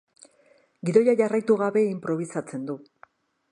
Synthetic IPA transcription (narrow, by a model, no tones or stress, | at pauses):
ɡiðo̞jaʝarajt̪uɣaβe̞impɾo̞β̞isat͡se̞nd̪u